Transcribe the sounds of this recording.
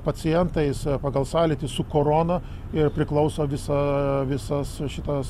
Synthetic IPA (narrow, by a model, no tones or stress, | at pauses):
pɐsʲɪjɛnt̪ɐɪspɐɡɐlˠsɑːlʲɪt̪ʲɪsʊkoːɾoːnɐ | ɪrpʲɾʲɪklˠɐʊsoːʋʲɪsɐʋʲɪsɐsʃʲɪt̪ɐs